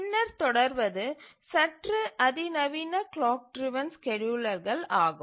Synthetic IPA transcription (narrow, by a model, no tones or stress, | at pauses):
nːɐɾt̪ɔɽɐɾʋɐðɯ | sɐʈrɯʔɐðinɐʋiːnɐkɭaːk̚ʈɾɪʋɐnskɛɻɯɭɐɾɣɐɭaːɣɯ